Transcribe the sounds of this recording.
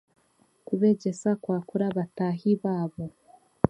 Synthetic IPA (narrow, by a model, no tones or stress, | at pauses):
kuβe̞ɟesakwaːkuɾaβatahiβaːβo